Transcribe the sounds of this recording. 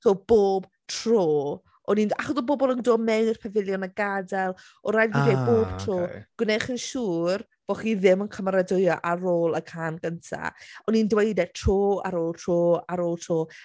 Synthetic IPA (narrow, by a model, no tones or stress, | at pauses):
tob̥oːb̥ | tʰroː | ɔninaχɔsɔbɔbɔlˠəndoːmɛwnr̥pʰɛvɪlˠjɔnəɡadɛlˠ | ɔɾajnɡidejboːb̥tʰr̥oːɡ̥wneχənʃuːr | b̥oχiðɪmənkʰəmaɾadʊɨɔʔaroːlˠəkʰanɡəntʰa̰ɔnindwejdɛtʰr̥oːa̰ɾoːlˠtʰroːaɾoːlˠtʰr̥oː